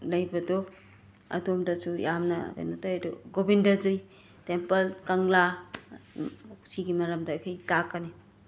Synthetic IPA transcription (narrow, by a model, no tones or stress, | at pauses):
lɐjbɐdɔ | ɐ̰domdɐsujamnɐ̰ḛnotajdɔɡobindɐzɯj | tempɐlkɐŋla | siɡimɐɾɐmdɐːjkʰɐjtakːɐni